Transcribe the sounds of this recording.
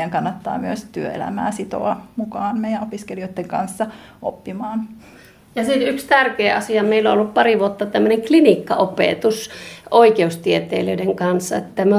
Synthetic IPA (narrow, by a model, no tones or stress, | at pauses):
æŋkɑnːɑt̪ːɑ̰ːmyøst̪yøḛlæ̰mæ̰ːsit̪o̰ɑmukɑːnmeijæopiskelioit̪ːeŋkɑ̰nsːɑ | ʔo̰pːimɑːn | jɑsit̪ykst̪ærkeːʔɑsiɑmeilːõolːuppɑriʋuot̪ːɑt̪æmːøneŋklinikːɑʔopḛˑt̪usʔoikeust̪iet̪ḛːløideŋkɑnsːɑet̪ːæmæ